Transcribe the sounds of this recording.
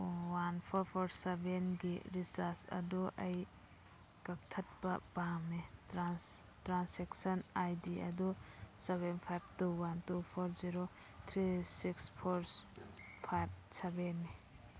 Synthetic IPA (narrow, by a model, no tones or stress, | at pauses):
wanpʰɔɾpʰɔɾsebenɡḭɾisaɾsɐ̰duʔɐj | kɐk̚tʰɐt̚bɐbamitɾas | tɾanseksɐnajdiɐ̰duseβenpʰajb̚tuwantupʰɔɾziɾo | tʰɾisikspʰɔɾ | pʰajb̚sebenːi